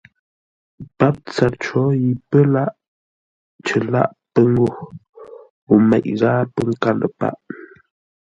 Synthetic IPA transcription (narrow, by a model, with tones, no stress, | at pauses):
pa˦p̚t͡sa˨ɾt͡ʃo˦i˨pə˦la˦ʔ | t͡ʃə˨la̰˦ʔpə˦ŋu˦ | u˨ma˨ʔɣa˦pə˦ŋka˨lə˨pa̰˦ʔ